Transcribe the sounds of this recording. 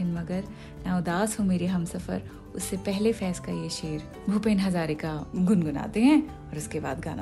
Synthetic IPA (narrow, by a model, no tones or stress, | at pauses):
ɪnmɐɡəɾ | naːʊd̪aːsɦõmeːɾiɦɐmsɐfə̰ɾ | ʊsːepɛɦlefɛːskajeʃeːɾ | bʱupeːnɦɐzaːɾekaɡʊnɡʊna̰ːt̪eɦɛ̃ː | ɔːɾʊskeba̰ːd̪ɡaːna̰